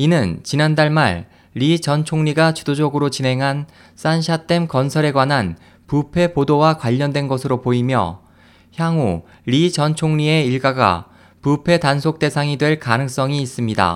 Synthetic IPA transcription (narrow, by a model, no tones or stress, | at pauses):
inɯnt͡ɕinandaɭma̰ɭː | it͡ɕʌnt͡ɕʰoŋɲiɡat͡ɕu̥dod͡ʑʌɡɯɾot͡ɕine̞ŋɦan | s͈anɕʰat͈e̞mkʌnsʰʌɾe̞ɡwanɦan | pupʰe̞podowakwaʎːʌndwe̞nɡʌsʰɯɾopoimjʌ̰ | çjaŋu | ɾit͡ɕʌnt͡ɕʰoŋɲie̞iɭɡaɡa̰ | pupʰe̞tansʰok̚t͈e̞sʰaŋidwe̞ɭkanɯŋs͈ʌŋiːs͈ɯmɲida̰